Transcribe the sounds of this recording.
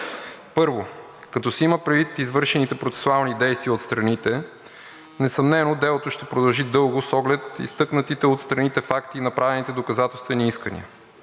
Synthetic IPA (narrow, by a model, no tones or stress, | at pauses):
pɤɾvo | kɐt̪ɔsɛiməpɾɛd̪vit̪izvɤɾʃɛnit̪ɛpɾot̪sɛ̥sʊalˠnid̪ɛjst̪viəot̪st̪ɾɐnit̪ɛ | nɛsɐmnɛnod̪ɛlˠot̪oʃt̪ɛpɾod̪ɐlˠʒid̪ɤlˠɡʊsɔɡlɛt̪ḭst̪ɤknət̪it̪ɛot̪st̪ɾɐnit̪ɛfakt̪inɐpɾʔavɛnit̪ɛd̪okɐzat̪ɛlˠst̪vɛniiskənḭə